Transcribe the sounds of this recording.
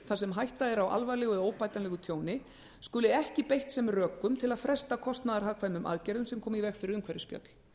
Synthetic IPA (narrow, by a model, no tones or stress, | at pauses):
θasɛmɦajht̪aðɛɾawʔa̰lvalɛːɣʏðoːwpajt̪anlɛɣʏt̪ʰjoːwnɪ | skʏːlɪɛhcɪpejht̪sɛmrœːkːʏmt̪ʰɪlaðfɾɛst̪akʰɔst̪naðaɾ̥haːkʰvajmʏmʔa̰ðcɛɾðʏmsɛmkʰɔːmivɛxfɪɾɪɾʏmkʰvɛɾɪspjœ̰t̪l̥